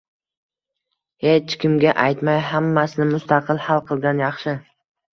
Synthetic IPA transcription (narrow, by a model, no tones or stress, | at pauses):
het͡ʃkʲɪmɡʲaʔajt̪majɦamːasɪnɪmʊst̪ɑqʰɨlhalˠqʰɨlˠɡʲanjɑχʃɪ